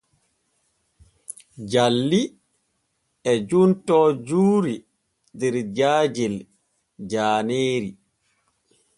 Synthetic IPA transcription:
d͡ʒalːi | ɛd͡ʒuntɔːd͡ʒuːɾi | dɛɾd͡ʒaːd͡ʒil | d͡ʒaːneːɾi

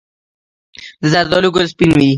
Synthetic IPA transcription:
zaɾd̪ɔluɡʊlspinwi

